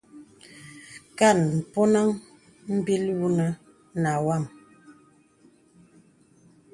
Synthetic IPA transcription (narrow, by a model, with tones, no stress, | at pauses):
ka˦˨nm̩˨pɔ˦na˦ŋ | m̩˦bi˦lwu˦nə˨ | na˨wa˦˨m